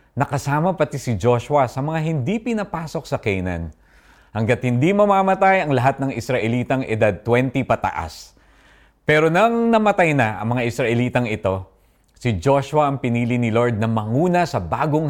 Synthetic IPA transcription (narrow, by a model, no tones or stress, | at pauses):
nɐkɐsaːmɐpɐt̪isɪd͡ʒo̞ʃwɐsɐmɐŋaɦɪnd̪ipɪnɐpaːso̞k̚sɐkɛjnɐ̰n | hɐŋɡɐt̪̚hɪnd̪imɐmaːmɐt̪ajɐŋlɐɦat̪̚nɐŋɪsɾɐʔɛliːt̪ɐŋʔɪd̪ad̪̚t̪wɛnt̪ipɐt̪ɐ̰ʔa̰s | pɛːɾo̞nɐŋnɐmɐt̪ajnɐʔɐ̰ŋmɐŋaʔɪsɾɐʔɛliːt̪ɐŋɪt̪o̞ | sɪd͡ʒo̞ʃwɐʔɐŋpɪniːlinɪlo̞ɹd̪̚nɐmɐŋuːnɐsɐbaːɡo̞ŋ